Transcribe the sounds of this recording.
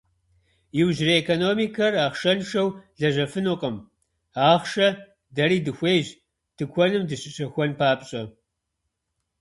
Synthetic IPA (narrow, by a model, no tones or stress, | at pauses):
jɪwʑrɐekʰonoːmiːkʰɐraːχʃɐnʂɐwɮɐʑɐfɨnuqʼəm | aːχʃɐ | dɐɾiːdɨxʷejʑ | tʰɨkʷʰɔnɨmdɨɕɪɕʼɐxʷɔnpʰaːpɕʼɐ